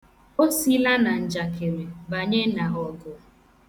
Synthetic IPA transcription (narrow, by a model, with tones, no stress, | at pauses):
o˦si˦la˦na˨n̩˨d͡ʒa˨ke˨ɾe˨ba˨ɲe˦na˨ɣɔ˨ɡʊ˨˦